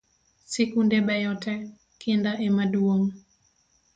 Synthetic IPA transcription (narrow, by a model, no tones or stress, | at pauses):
sikundɛɓajɔtɛ | kindaʔɛmaduom